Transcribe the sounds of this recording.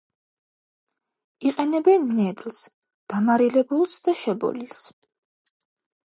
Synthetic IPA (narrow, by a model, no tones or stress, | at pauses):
iqʼɛnɛbɛnːɛd̪lˠs | d̪̥amaɾilɛbulˠsd̪̥aʃɛbɔ̰lis